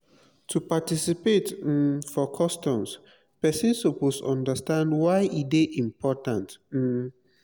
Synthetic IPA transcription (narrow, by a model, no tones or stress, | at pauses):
tʰupatisipet̩fɔkʰɔstɔ̃ms | pɛsĩnsoposɔ̃ndəstãndwaɪʔideʔĩmpʰɔtãnt̩